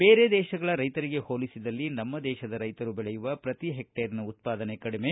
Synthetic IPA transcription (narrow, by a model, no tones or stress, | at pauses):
beːɾed̪ɛːʃɐɡɐɭɐɾɐjt̪ɐɾiɡe̞hoːlisid̪ɐlːinɐmːɐd̪ɛːʃɐd̪ɐɾɐjt̪ɐɾubɛɭɛjuʋɐpɾɐt̪iɦek̚ʈeːɾinɐut̪̚paːd̪ɐnekɐɽime̞